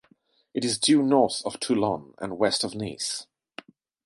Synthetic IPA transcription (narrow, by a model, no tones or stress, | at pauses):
ɨɾɨzdʉːnɔˑɹθəv̥tʰʉlə̃nə̰̃nwɛstəvnḭˑs